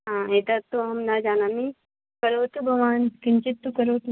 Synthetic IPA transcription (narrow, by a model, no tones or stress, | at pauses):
ɦãːeːt̪ɐt̪oɦɐmnɐd͡ʒaːnami | kɐɾoːt̪ubʱɐʋaːnkɪnt͡ʃɪt̪ːukɐɾoːt̪u